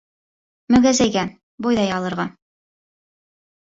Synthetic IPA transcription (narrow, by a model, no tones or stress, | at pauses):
mɵɡæzæjɡæ | bojðɑjɑlˠɤ̆ɾʁɑ